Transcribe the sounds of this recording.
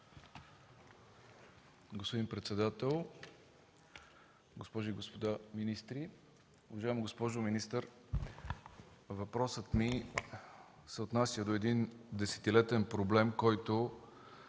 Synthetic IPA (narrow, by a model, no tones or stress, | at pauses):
ɡospod̪impɾɛt̪sɛd̪at̪ɛlˠ | ɡospɔʒiɡospod̪aminist̪ɾi | ʊvɐʒaɛmiɡospɔʒominist̪əɾ | vɐpɾɔsət̪mi | sɛot̪nasʲjəd̪oɛd̪ind̪ɛsɛ̥t̪ilɛt̪ɛnpɾoblɛmkɔjt̪o